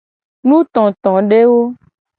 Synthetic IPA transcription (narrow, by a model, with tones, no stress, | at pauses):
nũ˦t̪ɔ̃˨t̪ɔ̃˨ɖe˦wo˦